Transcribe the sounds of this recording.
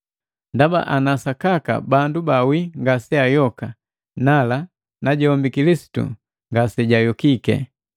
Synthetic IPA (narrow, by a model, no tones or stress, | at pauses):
ndaba̰ʔanasakaka̰bandubawiŋɡasɛajɔka | nala | naɟɔmbikilisi̥tṵ | ŋɡasɛɟajɔkikɛ̰